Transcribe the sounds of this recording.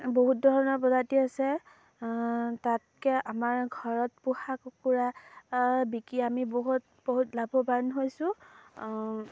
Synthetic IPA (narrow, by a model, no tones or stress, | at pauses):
boɦut̚dʱɔɹɔnɔɹpɔzatiasɛ | tat̚kɛʔamaɹɡʱɔɹɔt̚puxakokuɹa | bikiamiboɦut | boɦutlabʱɔbanɦojsʊ̃